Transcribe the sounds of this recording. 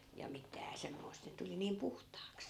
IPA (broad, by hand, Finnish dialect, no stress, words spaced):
jɑ mitæː semːoi̯st et tuli niːm puhtɑːks